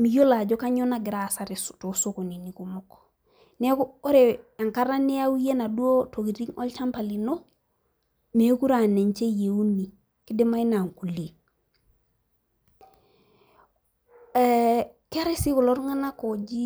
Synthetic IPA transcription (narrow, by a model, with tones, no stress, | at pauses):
mi˨jo˦la˨d͡ʒo˦ka˦ɲo˦na˦ɡi˨ɾa˨sa˨ɾi˨stu˨su˦ku˨ni˨ni˨ku˨mok | ne˦ko˦ɾe˨a˨ŋka˦ɾa˦ne˦a˦wu˦je˦na˨du˦o˦to˨ki˨ɾi˦ŋo̰˦lt͡ʃa˦mpa˨li˨no˦ | me˨˦ku˦ɾa˨ne˨ɲt͡ʃe˦je˨u˦ni˨ | ki˦de˦ma˦i˦na˨ŋku˨li˨ | ka˦ɾe˦si˦ku˨lo˦ɾŋa˦na˦kod͡ʒi˦